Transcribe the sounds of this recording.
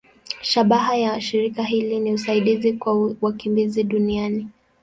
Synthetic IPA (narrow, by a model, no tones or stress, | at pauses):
ʃaɓaɦajaʃiɾikaɦiliniusaiɗizikwawakimbiziɗuniani